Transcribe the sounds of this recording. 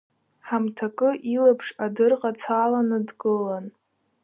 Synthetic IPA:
ħamtʰakʼɨʔilapʰʂadɨrqʼat͡sʰalanɨdkʼɨlan

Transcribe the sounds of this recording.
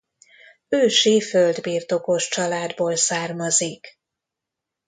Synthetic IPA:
øːʃiføld̪biːrt̪o̞ko̞ʃt͡ʃɒlaːd̪boːlsaːrmɒzik

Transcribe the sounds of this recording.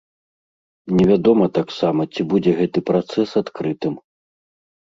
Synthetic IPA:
nʲɛvʲad̪ɔmɐt̪aksamɐt͡sʲibud͡zʲɛɣɛt̪ɨpɾat̪sɛsat̪kɾɨt̪ɨm

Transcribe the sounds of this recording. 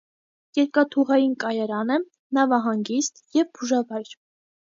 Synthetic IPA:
jɛɾkɑt̪ʰuʁɑjinkɑjɑɾɑnə | nɑvɑɦɑŋɡist̪jɛvbuʒɑvɑjɾ

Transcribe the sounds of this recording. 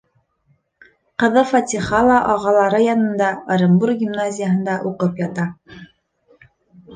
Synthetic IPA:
qɤ̆ðɤfɑt̪ʲiχɑlˠɑʔɑʁɑlˠɑɾɤjɑnɤ̆nd̪ɑəɾɤ̆mburɡʲimnazʲɪjaɦɤ̆nd̪ɑʔuqɤpjɑt̪ɑ

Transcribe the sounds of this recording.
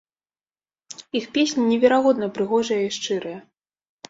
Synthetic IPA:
ixpʲesʲnʲinʲɛvʲɛɾaɣɔd̪nɐpɾɨɣɔʐɐjɐiʂt͡ʂɨɾɨjɐ

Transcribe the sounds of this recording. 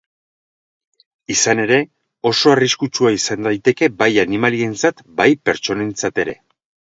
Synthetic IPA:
isane̞ɾe̞ | o̞so̞ariskut͡ʃuaisand̪ajt̪e̞ke̞bajanimalie̞nt͡sat̪bajpe̞ɾt͡ʃo̞ne̞nt͡sat̪e̞ɾe̞̰

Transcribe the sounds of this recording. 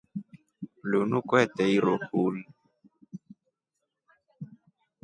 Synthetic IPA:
lunukwɛtɛiɾohuli

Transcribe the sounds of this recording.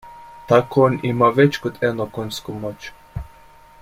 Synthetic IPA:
t̪akoonimaʋet͡ʃkod̪ɛnokonʲskumot͡ʃ

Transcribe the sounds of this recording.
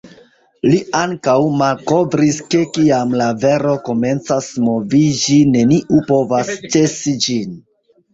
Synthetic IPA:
liaŋkawmalko̞vɾiske̞kiamlave̞ɾo̞ko̞me̞nt͡sasmo̞vid͡ʒine̞niʔupo̞vast͡ʃe̞sid͡ʒin

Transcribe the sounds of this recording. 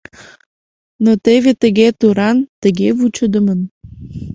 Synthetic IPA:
not̪eβet̪əɣet̪uɾɑnt̪əɣevut͡ɕəd̪ə̆mən

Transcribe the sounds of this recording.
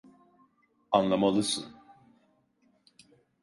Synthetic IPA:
anlˠamalˠɯsɯ̰n

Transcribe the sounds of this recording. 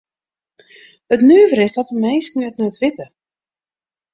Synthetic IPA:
ətnyːvəɾɪsdɔtəmejsknyətnətʋɪtə

